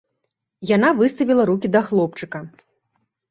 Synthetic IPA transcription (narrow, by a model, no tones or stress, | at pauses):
jan̪avɨst̪ɐvʲilˠɐɾukʲid̪ɐxlˠɔpt͡ʂɨkɐ